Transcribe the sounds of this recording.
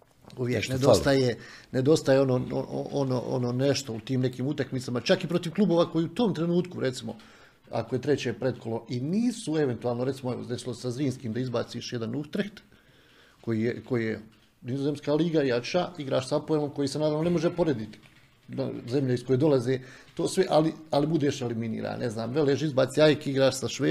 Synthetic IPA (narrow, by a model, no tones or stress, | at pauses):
uʋjekned̪ost̪ajene̞d̪o̞st̪ajeo̞noːo̰o̰ʔono̰ʔo̰noːneʃt̪o̞ut̪iːmne̞kiːmut̪akmit̪samat͡ʃakipɾo̞t̪iʋklˠubo̞ːʋako̞jiːut̪oːmt̪ɾe̞nuːt̪kuɾe̞t̪simo̞̰ | a̰koje̞t̪ɾe̞t͡ɕepɾe̞t̪ko̞lo̞ʔiniːsue̞ʋe̞nt̪uaːlnoɾe̞t̪simoeʋo̰zd̪e̞silˠose̥sazɾiːnskiːmd̪aizbaːt̪siːʃjed̪anuxt̪ɾeht̪ | ko̞jiːjeko̞jije | nizozeːmskaːliːɡajat͡ʃaiɡɾa̰ːʃsaapoelomko̞jiːsenaːd̪aːʋnone̞mo̞ʒepo̞ɾed̪it̪ | ze̞mʎaiskojed̪o̞lazeːt̪oːsʋe̞ʔalialibud̪eːʃeliminḭːɾa̰ːnne̞znaːmʋe̞leːʃizbaːt̪siajkeiɡɾaːʃsaʃʋeː